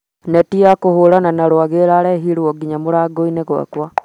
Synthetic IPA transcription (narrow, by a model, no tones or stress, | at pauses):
netiakohuɾananaɾwaɣeɾaɾeɦiɾwɔɡiɲamuɾaɡoineɣwa̰kwa